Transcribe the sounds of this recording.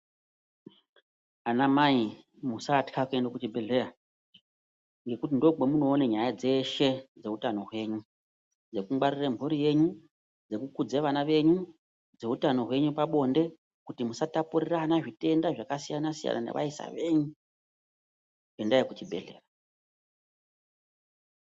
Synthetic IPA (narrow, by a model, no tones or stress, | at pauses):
anamai | musatkʰakue̞ndokutibʱe̞ɮe̞ra | ŋɡe̞kutindo̞ɡemuno̞ːneɲajad͡ze̞ʃe̞d͡ze̞utano̞ɦwe̞ːɲu | d͡ze̞kuŋɡ͡barirembʱuɾije̞ɲu | d͡ze̞kukud͡zeʋanaʋe̞ɲu | d͡ze̞utano̞ɦwe̞ɲupaɓo̞nde̞ | kutimusatapuriranaʐite̞ndaʐakasijanasija̰na̰nḛʋʔa̰isa̰ʋe̞ɲu | endajekut͡ʃibʱe̞̰ɮe̞̰ːra